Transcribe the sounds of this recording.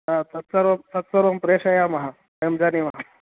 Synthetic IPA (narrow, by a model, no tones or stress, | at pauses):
at̪ʰɐt̪sɐɾomt̪ɐt̪sɐɾompɾeːʂɐjamɐɦa | emd͡ʒanimɐɦa